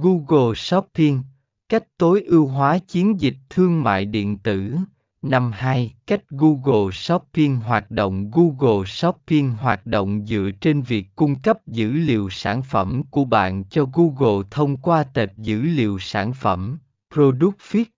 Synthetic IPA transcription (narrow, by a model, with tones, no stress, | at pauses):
ɣu˧ɣo˨˩sɔ˦˥ppi˧əŋ | ka˦˥jk̚t̪o˨˦jʔi˧əwɦwaː˨˦t͡ɕi˨˦ənzi˨˩k̚t̪ʰɨ˧əŋma̰ː˧˨jɗḭ˧˨ənt̪ɨ˧˩ | na˧mhaː˧jka˦˥jk̟̚ɣu˧ɣo˨˩sɔ˦˥pːi˧əŋɦwaː˨˩t̚ɗo̰˧˨wŋ͡mɣu˧ɣo˨˩sɔ˦˥pːi˧əŋɦwaː˨˩t̚ɗo̰˧˨wŋ͡mzɨ̰˧˨ət͡ɕe˧nvi˨˩əkːʊ˧ŋ͡mkə˦˥p̚zɨ̰˧˥lḭ˧˨əwsaː˧˩nfə˧˩mku˧˩əɓa̰ː˧˨nt͡ɕɔ˧ɣu˧ɣo˨˩t̪ʰə˧wŋ͡mkwaː˧t̪e˨˩p̚zɨ̰˧˥lḭ˧˨əwsaː˧˩nfə˧˩m | pɾo˧ɗu˦˥k̚fi˦˥t̚